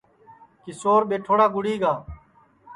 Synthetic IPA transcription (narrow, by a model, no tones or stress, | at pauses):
kɪsoːɾɓeːʈʰoːɽaːɡʊɽiːɡaː